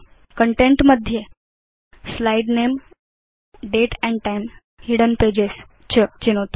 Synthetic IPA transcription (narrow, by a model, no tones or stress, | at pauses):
kəɳʈeɳʈməd̪ʱje | slaiɖnem | ɖeʈɛ̃ɳɖ̚ʈajm | hiɽənped͡ʑes | t͡ɕət͡ɕinot̪